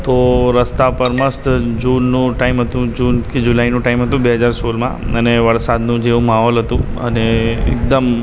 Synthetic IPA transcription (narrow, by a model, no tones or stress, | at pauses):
t̪oɾəst̪apəɾməst̪d͡ʒunːũʈaimɦət̪ũd͡ʒunked͡ʒulainũʈaimɦət̪ũbeɦəd͡ʒaɾsolmã̰əneʋəɾsad̪nũd͡ʒeʋũmaɦɔlɦət̪ũə̰neḛk̚d̪əm